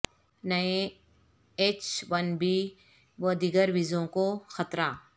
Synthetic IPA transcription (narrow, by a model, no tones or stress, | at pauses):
nɐẽ | eːt͡ʃʋənbiː | ʋəd̪iɡəɾʋizõkoxət̪ɾaː